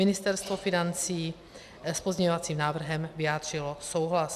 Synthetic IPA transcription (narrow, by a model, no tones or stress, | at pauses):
ɪnɪst̪ɛɾst̪vofɪnant͡siː | spzɲɛɲovat͡siːmnaːvr̩ɦɛmvɪjaːd̪r̝̥ɪloso̞wɦlas